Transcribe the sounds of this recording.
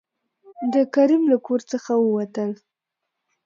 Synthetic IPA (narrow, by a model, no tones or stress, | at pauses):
d̪əkaɾimlakʰoɾt͡səxawəwat̪əl